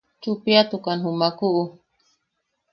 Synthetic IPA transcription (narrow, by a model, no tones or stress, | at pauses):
t͡ʃupiat̪ukanɦumakuʔu